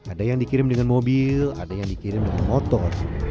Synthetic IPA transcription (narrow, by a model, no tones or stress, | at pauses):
adajaŋdikiɾɪmdəŋanmobila̰dajaŋdikiɾɪmdəŋanmot̪ɔr